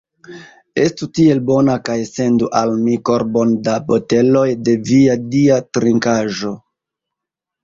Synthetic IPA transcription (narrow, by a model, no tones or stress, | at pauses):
e̞stutie̞lbo̞nakajse̞nduʔalmiko̞ɾbo̞ndabote̞lo̞jde̞viadiatɾiŋkaʒo̞